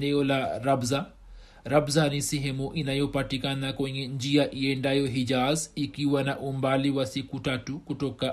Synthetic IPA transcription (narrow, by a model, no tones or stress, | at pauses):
nɛɔlaɾabza | ɾabzanisɛɦɛmuʔinajɔpatikanakwɛɲɛnd͡ʒiaʔiɛndajɔɦid͡ʒazikiwanaʔumbaliwasikutatukutɔka